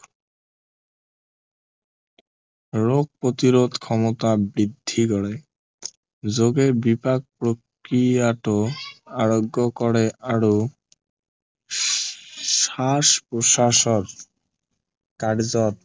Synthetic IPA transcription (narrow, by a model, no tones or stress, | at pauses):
ɾoɡ̚pɾot̪iɾod̪ʱkʰɔmot̪abɾid̪ʱːikɔɽe | d͡ʑoɡebipak̚pɾok | ɾiaʈoaɾoɡːokɔɽeʔaɾo | ʃaʃpɾoʃaʃoɾ | kaɽd͡ʑɔt̪